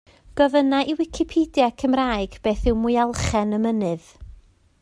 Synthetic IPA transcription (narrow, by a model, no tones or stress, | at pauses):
ɡ̥ɔvənaʔiwɪkʰɪpʰidjakʰəmraːɨɡ̥b̥eːθɪwmʊjalˠχɛnəmənɨð